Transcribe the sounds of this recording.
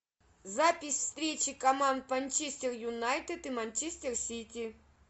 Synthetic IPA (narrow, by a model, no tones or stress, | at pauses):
zapʲɪsʲfst̪ɾʲet͡ɕɪkɐmand̪̚pɐnʲt͡ɕisʲtʲerjʊnajt̪ɨt̪ɨmɐnʲt͡ɕisʲtʲersʲit̪ʲi